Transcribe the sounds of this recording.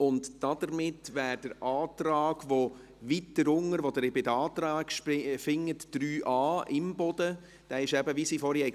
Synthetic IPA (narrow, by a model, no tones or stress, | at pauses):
ʊntd̥ɑd̥̪əɾmɪtːʋæːɾd̥əɾʔɑːt̪ɾɑːɡ̥ʋo | ʋitdəɾʊŋəɾʋod̪əɾɪbɪdəɑːt̪ɾɑːɡʃpfɪŋːətd̥ɾyːʔɑːʔɪmbɔd̥ə | d̥ɛɪʃɛbəvisiːfɔɾiɛɪ